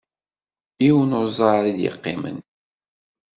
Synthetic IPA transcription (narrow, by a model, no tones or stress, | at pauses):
iwənʊɾzˤɑɾid̪jə̰qːɪ̰mə̰n